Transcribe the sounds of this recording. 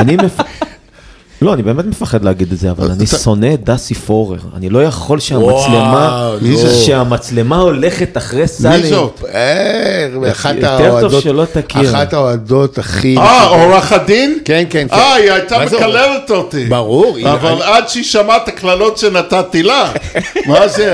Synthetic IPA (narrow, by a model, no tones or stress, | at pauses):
animmef | lo̞anibeːmet̪me̞faχe̞d̪leaɡid̪etzea̰va̰laniso̞ne̞d̪asifo̞ʁḛʁa̰nilo̞jaχo̞lʃeamat͡slema | ʃeamat͡slemao̞le̞χe̞t̪aχʁesaliote | aχataed̪oʃelo̞t̪akiʁataoad̪ot̪aχiaoʁaχad̪inkenkenkaiajt̪aekalelet̪ot̪ibaʁuʁavaladʃeiʃamat̪aklalo̞t̪ʃenat̪at̪ilamaze